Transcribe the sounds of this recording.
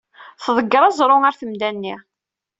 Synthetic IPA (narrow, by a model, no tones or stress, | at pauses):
θðˤəɡːɾˤɑzˤɾˤʊŋaɾθəmd̪ænːi